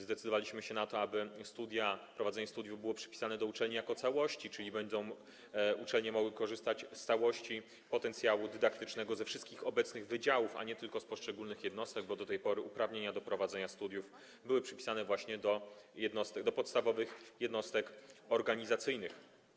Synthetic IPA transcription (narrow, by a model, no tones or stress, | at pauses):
zd̪ɛt̪sɘd̪ɔvalʲiɕmɘɕɛnat̪ɔabɘst̪ud̪ʲjapɾɔvad̪zɛɲɛst̪ud̪ʲjuvbɘwɔpʂɘ̥pʲi̥sanɛd̪ɔut͡ʂɛlɲijakɔt̪sawɔɕt͡ɕit͡ʂɘlʲibɛɲd̪ɔ̃w̃ | ut͡ʂɛlɲɛmɔɡwɘkɔʐɘst̪at͡ɕst̪sawɔɕt͡ɕi | pɔt̪ɛnt̪sʲjawud̪ɘd̪akt̪ɘt͡ʂnɛɡɔzɛfʂɘst̪kʲixɔbɛt̪snɘɣvɘd͡ʑawufa̰ɲɛt̪ɘlkɔspɔʂt͡ʂɛɡulnɘxjɛd̪nɔst̪ɛɡ̚bɔd̪ɔt̪ɛjpɔɾɘʔupɾavɲeɲad̪ɔpɾɔvad̪zɛɲast̪ud̪ʲjuf | bɘwɘpʂɘpʲi̥sanɛvwaɕɲɛd̪ɔjɛd̪nɔst̪ɛɡ̚d̪ɔpɔt̪st̪avɔvɘxjɛd̪nɔst̪ɛkɔɾɡaɲizat̪sɘjnɘx